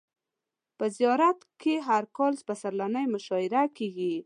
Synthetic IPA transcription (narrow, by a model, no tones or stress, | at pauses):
pəzijɑɾat̪keɦaɾkɔlsbasaɾlanəjmʊʃɔɪɾakeɡi